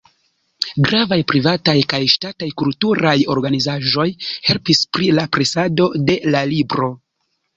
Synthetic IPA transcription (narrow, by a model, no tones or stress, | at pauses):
ɡɾavajpɾivatajkajʃtatajkultuɾajo̞ɾɡanizaʒo̞jhe̞lpispɾilapɾesado̞de̞lalibɾo̞